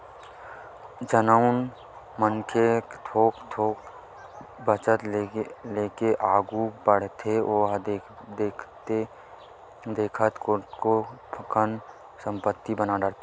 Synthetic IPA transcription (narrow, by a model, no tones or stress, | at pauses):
d͡ʒənəʊn | mənkʰet̪ʰoːkt̪ʰoːk | bət͡ʃət̪leːkeʔaːɡubəɽ̤t̪ʰeoːɦd̪ekʰt̪e | d̪eːkʰət̪kokopʰəkən | sə̃mpət̪ːibənaɖəɽt̪a